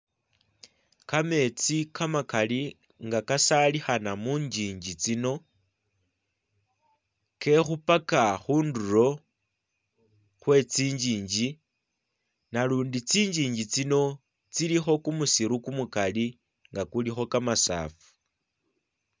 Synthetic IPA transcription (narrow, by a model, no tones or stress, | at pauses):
kame̞t͡sikamakali | ŋɡakasalixanamuːɲd͡ʒiːɲd͡ʒit͡sino̞ | ke̞xupakaxuːnduro̞ | xwe̞t͡siːɲd͡ʒiːɲd͡ʒi | naluːndit͡siːɲd͡ʒiːɲɟit͡sino̞ | t͡silixo̞kumusiɾukumukali | ŋɡakulixo̞kamasa̰ːfu̥